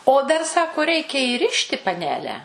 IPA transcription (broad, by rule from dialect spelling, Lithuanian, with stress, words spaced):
oː ˈdɐr ˈsɑːkoː ˈrʲɛɪkʲɛ iːˈrʲɪʃʲtʲɪ pɐˈnʲæːlʲɛ